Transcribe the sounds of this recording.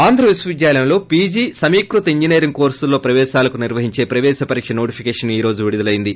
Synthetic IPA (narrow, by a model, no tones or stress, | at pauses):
aːnd̪ʱɾɐʋisʋɐʋid̪jaːlɐjɐmlo̞ːpiːd͡ʒiːsɐmiːkɾut̪ɐiɲd͡ʒineːɾiŋko̞ːɾsulːo̞ːpɾɐʋɛːʃaːlɐkuniɾʋɐɦiɲt͡ʃe̞ːpɾɐʋɛːsɐpɐɾiːkʂɐno̞ːʈipʰikeːʂɐniːɾo̞ːd͡ʒuʋiɽud̪ɐlɐjind̪i